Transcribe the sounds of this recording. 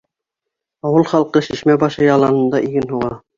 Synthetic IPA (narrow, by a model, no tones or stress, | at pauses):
ɑwɤlˠχɑlˠqɤʃiʃmæbɑʃɤjɑlˠɑnɤ̆nd̪ɑʔiɡɘnɦuʁɑ